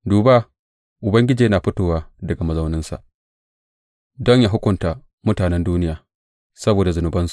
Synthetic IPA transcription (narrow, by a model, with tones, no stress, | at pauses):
duː˨ba˦ | ʔʊ˨bɐ˦ŋɡʲɪ˦d͡ʒiː˨ja˦naː˨ɸʊ˦toː˨waː˦dɐ˨ɡa˨mɐ˨zɐ˦wnɪ˦nsa̰˨ʔ | dɔ˦ɲjaː˦ɦʊ˦kʷʊ˨nta˨ | mʊ˦taː˨nɛ˦nduː˦nɪ˦jaː˨ | sɐ˦boː˨da˨zʊ˨nʊ˨˦bɐ˦nsu̥˨